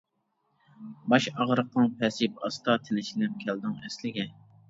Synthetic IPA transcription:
bɑʃɑʁɾəq̚nɨŋpʰɛsip̚ɑst̪ʰɑt̪ʰɪlɪʃɪnɪp̚kʲʰɛld̪ɪŋɛslɪɡʲɛ

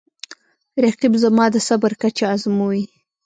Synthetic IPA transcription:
ɾaqibzamɑd̪əsabəɾkat͡ʃaazmuwi

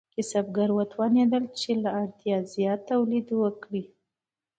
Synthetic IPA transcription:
kɪsabɡaɾwat̪wɑned̪əlt͡ʃelaːɾt̪jɑzjɑt̪ːawlid̪wəkɽi

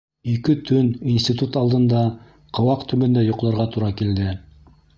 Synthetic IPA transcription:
ikɘt̪ʰɵninsʲt̪ʲit̪ut̪ɑlˠd̪ɤ̆nd̪ɑ | qʰɤ̆wɑqt̪ʰɵ̆mɵ̆nd̪æjŏqlˠɑɾʁɑt̪uɾɑkild̪ɘ

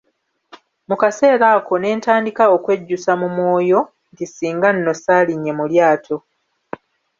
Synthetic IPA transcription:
mukase̞ːɾaːko̞ne̞ːntaːndikaokwe̞ɟːusamumwo̞ːjo̞ | ntisiːŋɡanːo̞saːliɲːe̞muljaːtʰo̞

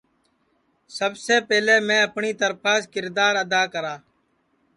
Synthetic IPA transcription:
səbseːpɛːleːmẽːəpɳiːt̪əɾpaːskɪɾd̪aːɾəd̪aːkəɾaː

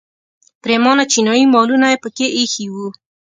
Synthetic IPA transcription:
pɾemɑnat͡ʃinɔjimɔlunaepəkeʔixiwu

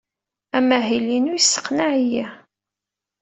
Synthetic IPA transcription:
æmæɦilinujisːə̥qnaʕijæ

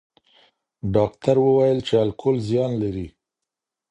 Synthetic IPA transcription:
ɖɑkt̪aɾwəwajəlt͡ʃealkʰʊlzjɑnlaɾi

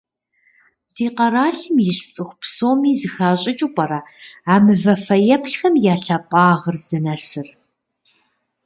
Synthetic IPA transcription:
tʰiːqɐraːɬɨmjɪɬt͡sʼɨxʷpsoːmiːzɨxaːɕʼɪt͡ʃʼuqʷʼɐɾɐaːmɨvɐfɐjɐpɬxɐmjaːɬɐpʼɑːʁərzɨnɐsɨr

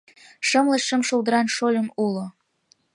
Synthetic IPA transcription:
ʃəmləʃʃəmʃold̪əɾɑnʃolʲəmulo

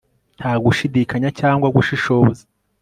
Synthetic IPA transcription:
nthaːɡuʃidikʰaɲacaːŋɡwaɡuʃiʃo̞ːze

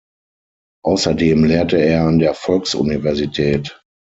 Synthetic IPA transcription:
ʔaʊsɐdeːmleːɐtəeːɐandeːɐfɔlksʔṵnivɛɐzitʰɛːt

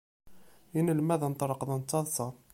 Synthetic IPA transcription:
inəlmæðənt̪ˤɾˤəqðənt͡s̪ːɑðˤsˤɑ

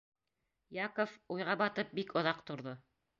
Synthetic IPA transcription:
jakofujʁɑbɑt̪ɤp̚bikŏðɑqt̪ŏɾðo

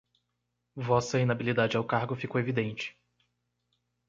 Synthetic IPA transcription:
vɔsɐĩnabilid̪ad͡ʒɪawkaɾɡʊfikowevid̪ẽnt͡ʃɪ̥

